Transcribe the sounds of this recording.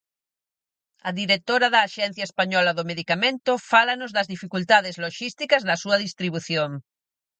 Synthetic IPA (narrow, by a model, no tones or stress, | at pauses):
ɐðiɾek̚t̪oɾɐðɐːʃɛn̟θjɐespaɲɔlɐðʊmeðikamẽnt̪ʊfalɐnʊzðɐzðifikult̪aðɪzloʃist̪ikɐzðɐsuɐðist̪ɾiβuθjoŋ